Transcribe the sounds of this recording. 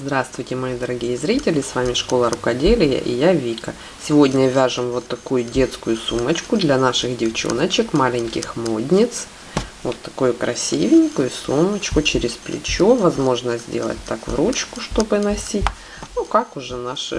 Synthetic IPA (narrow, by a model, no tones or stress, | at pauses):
zd̪ɾast̪vʊjtʲɪmɐid̪əɾɐɡʲijəzɾʲitʲɪlʲɪsvamʲɪʂko̞lˠəɾʊkɐdʲelʲɪjə̰ʔɪ̰javʲikɐ̰ | sʲɪvo̞dʲnʲəvʲaʐɨmvot̪ːɐkujʊdʲe̞t̪skʊjʊsumət͡ɕkʊd̪lʲɐnaʂɨxdʲɪft͡ɕo̰nət͡ɕɪkmalʲɪnʲkʲɪxmodʲnʲɪt̪s | vot̪ːɐ̥kujʊkɾʔɐsʲivʲɪnʲkʊjʊsumət͡ɕkʊt͡ɕɪɾʲɪsplʲɪ̰t͡ɕovɐzmo̞ʐnəzʲzʲdʲḛlˠə̰t̚ʲt̪ːakvɾut͡ɕkʊʂt̪o̞bɨnɐsʲitʲ | nukakʊʐɛnaʂɨ̰